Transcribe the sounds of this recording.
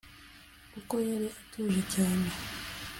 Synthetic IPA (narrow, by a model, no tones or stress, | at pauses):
kukojaɾiʔatʰuːʒecaːɲe